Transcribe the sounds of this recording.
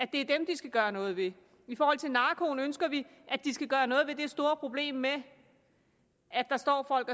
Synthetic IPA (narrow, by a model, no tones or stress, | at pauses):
æd̥e̝æɐd̥emd̥isɡ̥æɡ̥ɶːɐnɔ̽ːð̞̩ˠʋe̝ | ifɒːhɒ̽l̰t͡sʰe̝nɑ̈ːkʰo̝ːnønsɡ̥ɐʋiʔæd̥isɡ̥æɡ̥ɶːɐnɔ̽ːð̩ˠʋe̝d̥e̝sd̥o̝ːɐpʰʁo̝b̥le̝̰ːmːe | æd̥ɑ̈sd̥ɒ̰ːfɒ̽l̰ɡ̥